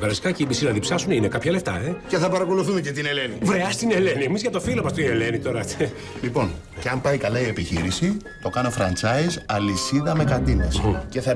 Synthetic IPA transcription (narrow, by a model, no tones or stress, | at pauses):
vɐɾɐsi̥kɐceimisilɐðipsɐsuninekɐpçɐleft̪ɐece̞θɐpɐɾɐko̞luθumecet̪ine̞lenivɾeɐst̪ine̞leniemizʝɐt̪o̞filomɐst̪iiele̞nit̪o̞ɾɐe | lipo̞n | ceɐmpɐjkɐlɐie̞piçḭɾisi | t̪o̞kɐno̞fɾɐnt͡sɐizɐlisiðɐme̞kɐd̪inesce̞θɐ